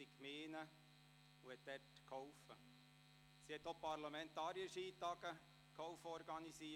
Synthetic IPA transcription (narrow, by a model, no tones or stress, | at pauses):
ikʰmeːnə | uɛt̪̚d̪ɛtkʰɔwfə | sihɛt̪ːopɑrlɑmɛnt̪ɑːɾjəʃiːt̪ɑɡ̥ə | kʰɔwfɔɾɡɑnisi